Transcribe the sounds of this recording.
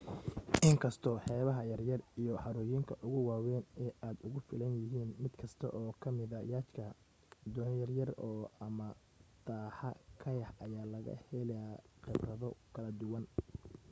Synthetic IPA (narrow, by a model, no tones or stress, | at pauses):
ʔɪŋkʰɐst̪ʰɔːħɛːβɐɦɐjɐrjɐrijɔħɑɾʊːjɪŋkʰɐʔʊɣʊwaːwɛːnɛːʔaːd̪ʊɣʊfɪlɐnjɪɦiːnmɪd̪kʰɐst̪ʰɐ̰ʔɔːkʰɐmɪðɐjaːt͡ʃkʰɐ | d̪ɔːnjɐrjɐrɔːɐmɐ | d̪̥aːħɐkʰɐjɐħɐjaːlɐɣɐ̰hɛlɐaqɪbrɐðɔkʰɐlɐd̪ʊwɐn